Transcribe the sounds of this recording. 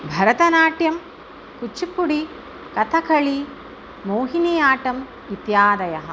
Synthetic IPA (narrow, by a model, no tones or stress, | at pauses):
bʱɐɾɐt̪ɐnaːʈjɐm | kut͡ʃːipːuɽi | kɐt̪ʰɐkʰɐɭi | moːɦinijaːʈɐm | it̪jaːd̪ɐjɐɦɐ̰̆